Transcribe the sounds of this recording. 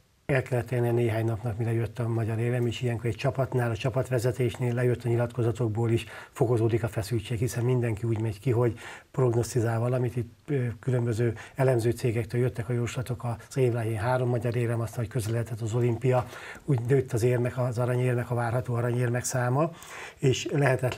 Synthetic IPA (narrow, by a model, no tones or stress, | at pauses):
ɛlkɛlːɛt̪ːɛlniɛneːɦaːɲnɒpnɒkmilɛjøt̪ːɒmɒɟɒɾeːvɛmeːʃijɛŋkoɾɛc̚t͡ʃɒpɒt̪naːlɒt͡ʃɒpɒt̪ʋɛzɛt̪eːʃneːlːɛjøt̪ːɒɲilɒt̪ko̞zɒt̪o̞ɡboːliʃfo̞ko̞zoːd̪ikɒfɛsylt͡ʃeːkhisɛnmind̪ɛŋkiuːɟmɛɟkiɦo̞ɟpro̞ɡno̞st̪izaːlvɒlɒmit̪it̪ːkylø̞mbøzøːɛlɛmzøːt̪seːɡɛkt̪øːljøt̪ːɛkɒjoɾuʃlɒt̪o̞kɒz̥eːvlaːɦeːnɦaːɾo̞mːɒɟɒɾeːvɛmɒst̪ɦockøzɛlɛɦɛt̪ɛt̪ːɒzo̞limpijɒuːɟnøːt̪ːɒzeːrmɛkɒzɒɾɒɲeːrmɛkɒvaːrɦɒt̪oːɒɾɒɲeːrmɛksaːmɒ | eːʃlɛɦɛt̪ɛt̪